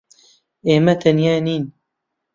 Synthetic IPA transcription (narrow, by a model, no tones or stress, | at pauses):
eːmɐt̪ʰɐnjaːniːn